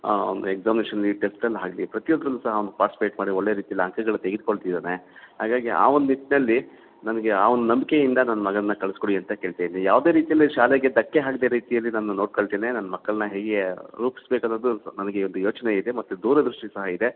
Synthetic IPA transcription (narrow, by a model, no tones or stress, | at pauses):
ond̪ueɡzaːmineʃɐnɐlːiʈesʈɐlːɦaːɡɐlḭpɾɐt̪ijod̪ɐɾɐnd̪usɐɦɐɐnd̪upaːʈisi̥peːʈmaːɽioɭːeːɾiːt̪ijɐlːiɐŋkɐɡɐɭut̪eɡid̪̚koɭt̪id̪aːnehaːɡaːɡia̰ːond̪nit̪ːinɐlːi | nɐnɐɡeaːʋond̪unɐmbike̞jind̪ɐnɐnːɐmɐɡɐɐnːɐkɐɭskoɽiɐnt̪ɐke̞ːɭt̪eːnijaːʋd̪eːɾiːt̪ijɐlːiʃaːleɡed̪ɐkːe̞ɦaːɡd̪eɾiːt̪ijɐlːinaːnːuno̞ːʈ̚koɭt̪eːnenɐnːɐmɐkːɐɭɐnɐɦeːɡe̞ɾuːpi̥sbeːkɐnːoːd̪unɐnɐɡe̞ond̪ujo̞ːt͡ʃɐneid̪e̞mɐt̪ːud̪uːɾɐd̪ɾuʂʈisɐɦɐid̪e̞